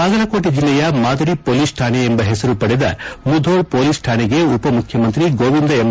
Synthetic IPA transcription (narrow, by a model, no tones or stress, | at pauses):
aːɡɐlɐkoːʈid͡ʒilːɛjɐmaːd̪ɐɾipoːliːsʈʰaːneːmbɐɦesɐɾupɐɽed̪ɐ̰mud̪ʱoːɭpoːliːsʈʰaːnɛɡe̞upɐmukʰjɐmɐnt̪ɾiɡoːʋind̪ɐem